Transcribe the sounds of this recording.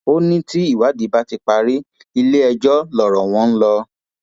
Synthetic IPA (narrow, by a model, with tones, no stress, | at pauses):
o˦nĩ˦ti˦i˦˨wa˨˦di˨˦ba˦ti˧k͡pa˧ɾi˦ | i˧le˦ɛ˧d͡ʒɔ˦lɔ˨ɾɔ˨w̃ɔ̃˧˦n̩˦lɔ˧